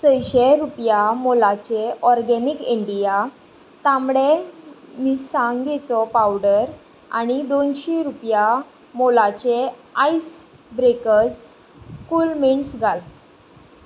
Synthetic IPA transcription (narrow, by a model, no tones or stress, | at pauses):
t͡səjɕeɾupjamolat͡ɕeɔɾɡɛnikiɳɖija | t̪ãmɽemiːsãŋɡet͡sɔpawɖəɾ | a̰ñid̪onɕiɾupja | molat͡ɕeajs | bɾekəd͡z | kuːlmiɳsɡʱal